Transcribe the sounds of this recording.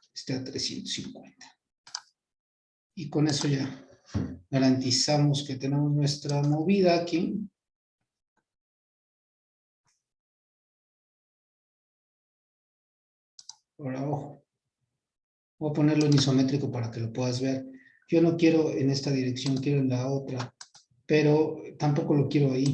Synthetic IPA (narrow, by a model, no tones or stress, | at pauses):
est̪eat̪ɾesje̞̰nt̪osḭŋkwe̞nt̪ḁ | iko̞ne̞so̞ʝa | ɣaɾant̪isamo̞ske̞t̪e̞ne̞moznwe̞st̪ɾamo̞βiðaːki | oɾaoxo̥ | boapo̞ne̞ɾlo̞niso̞me̞t̪ɾiko̞paɾake̞lopwe̞ðazβe̞ɾ | ɟ͡ʝo̞no̞kje̞ɾo̞ene̞st̪aðiɾe̞ksjo̞ŋkje̞ɾo̞e̞nlao̞t̪ɾa | pe̞ɾo̞t̪ampo̞ko̞lo̞kje̞ɾoai